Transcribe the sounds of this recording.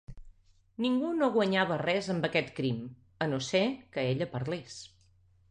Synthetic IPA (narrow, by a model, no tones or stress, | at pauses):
niŋɡunoɣwəɲaβ̞ərɛzəmbəkɛt̪kɾim | ənosekəeʎəpəɾles